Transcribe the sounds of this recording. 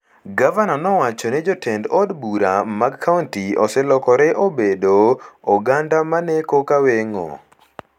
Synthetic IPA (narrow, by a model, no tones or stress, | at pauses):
ɡavananɔwat͡ʃɔnɛd͡ʒɔtɛndɔdbuɾa̰maɡkʰːauntiɔ̰sɛlɔkɔɾɛʔobedoɔɡandamanɛkokaweŋo̰